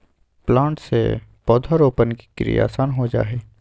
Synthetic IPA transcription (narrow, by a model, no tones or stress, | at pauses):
plãːɳʈsḛpɔːd̪ʱəɾoːpənki̥kɾḭja̰ːsaːnɦod͡ʒa̰ːɦeː